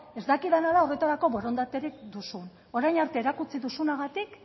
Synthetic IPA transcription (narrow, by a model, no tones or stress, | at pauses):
e̞zd̪akiðanalao̞re̞t̪aɾako̞βo̞ɾo̞nd̪at̪e̞ɾikd̪usun | o̞ɾajnaɾt̪e̞ːɾakut͡siðusunaɣat̪ik